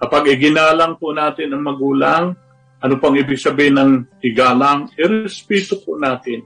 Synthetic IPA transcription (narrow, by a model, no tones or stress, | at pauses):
kɐpaɡɪɡɪnaːlɐŋponaːt̪ɪnɐŋmɐɡuːlaŋ | ʔɐnopɐŋɪbɪɡsɐbihɪnɐŋɪɡaːlaŋʔɪɾɛspɛːt̪oponaːt̪ɪn